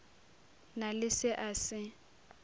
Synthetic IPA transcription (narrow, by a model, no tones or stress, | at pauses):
nalɪsɪʔasɪ